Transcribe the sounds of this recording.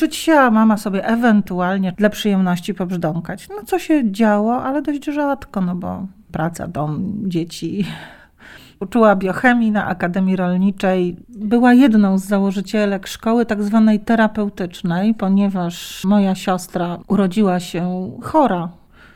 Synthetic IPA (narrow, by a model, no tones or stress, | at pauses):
ʐɨt͡ɕɕamamasɔbʲjɛʔɛvɛnt̪ualɲɛd̪lapʂɨjɛmnɔɕt͡ɕipɔbʐd̪ɔŋkat͡ɕnɔt̪sɔɕɛd͡ʑawɔʔalɛd̪ɔɕd͡ʑʐat̪kɔnɔbɔ̰ | pɾat̪sa̰d̪ɔmd͡ʑet͡ɕi | ut͡ʂuwabʲjɔxɛmʲjina̰ʔa̰kad̪ɛmʲjiɾɔlɲit͡ʂɛjbɘwajɛd̪nɔ̃w̃zːawɔʐɘt͡ɕɛlɛkʂkɔwɘt̪aɡzvanɛjt̪ɛɾapɛwt̪ɘt͡ʂnɛjpɔɲɛvaʂmɔjaɕɔst̪ɾauɾɔd͡ʑiwaɕɛxɔɾa